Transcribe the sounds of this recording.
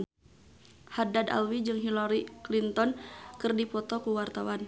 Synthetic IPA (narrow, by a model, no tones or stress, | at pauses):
hadad̪a̰lwid͡ʒɨŋɦilɔɾiklint̪ɔnkɨrdipɔt̪ɔkuwart̪awan